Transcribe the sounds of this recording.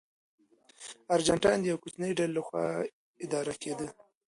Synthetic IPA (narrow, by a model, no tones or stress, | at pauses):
aɾd͡ʒaɳʈɑjnd̪əjawkut͡ʃnəjɖallaxwɑ̰ | ɪd̪ɑɾaked̪ə